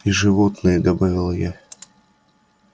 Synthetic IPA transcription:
iʐɨvot̪nɨjəd̪ɐbavʲɪlˠja

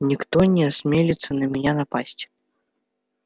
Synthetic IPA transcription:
nʲikt̪ɔnʲɛasʲmʲelʲit̪sːɐnɐmʲɛnʲanapasʲt͡sʲ

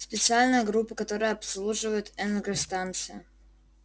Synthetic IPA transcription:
spʲɪt̪sɨalʲnəjəɡɾupːəkɐt̪o̞ɾəjəɐpslˠuʐɨvəjʊt̪ɛnəɡɾəst̪ant̪sɨjɪ

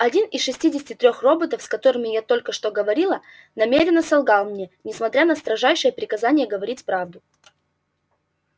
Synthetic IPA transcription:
ɐdʲinɪsʂɨsʲtʲidʲɪsʲtʲɪt̪ɾʲoxro̞bət̪əfskɐt̪o̞ɾɨmʲɪjat̪o̞lʲkəʂt̪o̞ɡəvɐɾʲilˠə | nɐmʲeɾʲɪnːəsɐlˠɡɑlˠmnʲenʲɪsmɐt̪ɾʲanəst̪ɾɐʐajʂɨjəpɾʲɪkɐzanʲɪjəɡəvɐɾʲitʲpɾavd̪ʊ

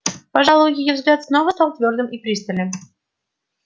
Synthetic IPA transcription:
pɑʐɑlˠojʲijʲəvzɡlʲat̪snovəst̪ɑlˠt̪vʲord̪əmʔipɾʲist̪ə̆lʲɘm

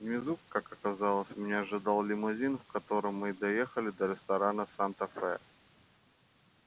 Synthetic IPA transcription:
mʲɪzukkakɐkɐzalˠəsʲmnʲeɐʐɨd̪alˠlʲɪmʊzʲinvkɐt̪o̞ɾɨmːɨd̪ɐjexəlʲɪd̪əɾʲɪst̪ɐɾanəsant̪ɐfɛ̰

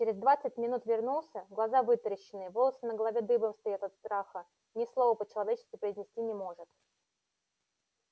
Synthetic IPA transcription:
t͡ɕɪɾʲɪzd̪vat̪sɨt̚ʲmʲɪnut̪vʲɪrnulˠsʲəɡlˠɐzavɨt̪ɾəɕːɪnːɨjəvolˠəsənəɡəlˠɐvʲed̪ɨbəmst̪ajat̪ɐt̪st̪ɾaxə | nʲɪslˠovəpət͡ɕɪlˠɐvʲet͡ɕɪ̥skʲvʲɪpɾəɪzʲnʲɪsʲtʲinʲɪmo̞ʐɨt̪

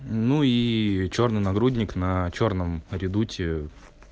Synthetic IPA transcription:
nuit͡ɕo̞rnɨjnɐɡɾudʲnʲɪknɐt͡ɕornəmɾʲɪd̪utʲɪ

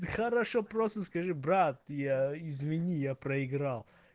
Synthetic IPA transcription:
χɐɾɐʂopɾost̪əskɐʐɨbɾat̪jaɪzvʲɪnʲijapɾɐɪɡɾalˠ

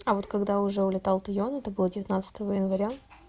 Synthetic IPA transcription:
ɐvo̞t̪kɐɡd̪aʊʐɛʊlʲɪt̪alˠt̪ʊjonɛt̪əbɨlˠədʲɪvʲɪt̪nat̪sə̥t̪əvəjɪnvɐɾʲa

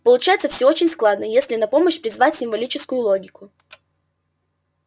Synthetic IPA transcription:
pəlˠʊt͡ɕajɪt̪səfsʲoot͡ɕɪnʲsklˠad̪nəjesʲlʲɪnɐpo̞məɕpɾʲɪzvatʲsʲɪmvɐlʲit͡ɕɪskʊjʊlˠoɡʲɪkʊ

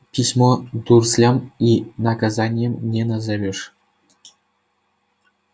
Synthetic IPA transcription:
pʲisʲmod̪urslʲɑminakazɑnʲɪjemnʲenazɑʋʲĕʂ

